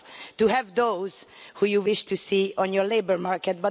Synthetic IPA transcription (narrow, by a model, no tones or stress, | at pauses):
t̪uɦɛvd̪oːzhuːjuwɪʃt̪usiːʔɔ̃njɔɹleɪbəɹmaɹkɛt̪̚bʌ